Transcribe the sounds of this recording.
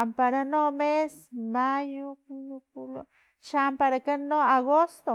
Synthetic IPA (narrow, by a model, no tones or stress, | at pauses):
ampaɾanomesmajukunukulo̰ | ʃampaɾakanoaɡost̪o